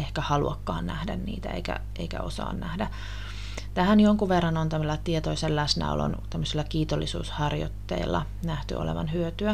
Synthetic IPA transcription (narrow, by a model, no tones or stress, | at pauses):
ehkæhɑluɑkːɑːnnæhdænnḭːt̪æ̰ḛikæ̰ | eikæ̰osɑ̰ːnnæhdæ | t̪æhænjoŋkuʋʋerːɑnont̪æmilːɑt̪iet̪oiselːæsnæ̰o̰lo̰nt̪æmːøsilːɑkiːt̪olːisṵːshɑrjo̰t̪ːeilːɑ̰ | næht̪y̰o̰leʋɑ̰nhyøt̪yæ